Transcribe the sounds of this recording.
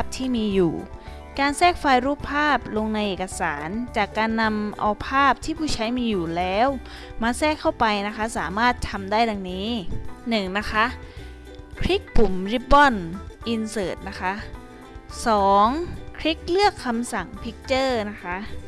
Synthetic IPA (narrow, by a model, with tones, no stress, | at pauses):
p̚t̪ʰiː˥˩miː˧jṵː˨˩ | kaː˧nsɛː˥˩k̚faː˧jɾuː˦˥˩pʰːaː˥˩p̚lo˧ŋna˧jʔeː˨˩ka˧sa̰ː˩˦nt͡ɕaː˨˩kːaː˧nːa˧mʔa̰˧wpʰaː˥˩p̚t̪ʰiː˥˩pʰuː˥˩t͡ɕʰa˦˥jmiː˧juː˨˩lɛː˦˥w | maː˧sɛː˥˩kʰːa˥˩wpa˧jna˦˥kʰa˦˥saː˩˦maː˥˩t̪ʰːa˧mdaː˥˩jda˧ŋniː˦˥nɯ˨˩ŋna˦˥xʰa˦˥ʔ | kʰɾi˦˥k̚pu˨˩mɾi˦˥p̚bɔ˥˩nʔi˧nsɤː˨˩t̪̚na˦˥kʰa˦˥ʔ | sɔː˨˩˦ŋkʰɾi˦˥k̚lɯ˥˩əkʰːa˧msa˨˩ŋpʰi˦˥k̚t͡ɕɤː˥˩na˦˥kʰa˦˥ʔ